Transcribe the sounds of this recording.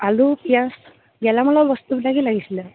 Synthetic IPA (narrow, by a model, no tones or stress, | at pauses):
alupijãs | ɡɛlamɔlabɔst̪ubiʈakilaɡisila